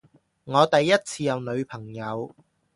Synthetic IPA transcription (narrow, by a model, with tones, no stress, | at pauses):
ŋɔː˨˧t̪ɐ˨jːɐ˥t̚t͡sʰiː˧jɐ˨˧wnɵ˨˧ɥpʰɐ˨˩ŋjɐ˨˧w